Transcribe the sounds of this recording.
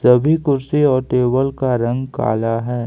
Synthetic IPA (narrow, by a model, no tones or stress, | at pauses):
sɐbʱikʊɾsiɔːɾʈeːbəlkaɾɐ̃ŋɡka̰ːlaɦɛː